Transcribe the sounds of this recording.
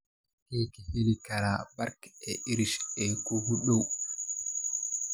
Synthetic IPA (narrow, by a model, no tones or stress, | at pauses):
heːkɛhelikaɾabaɾkɛiɾiʃɛkobuɗɔw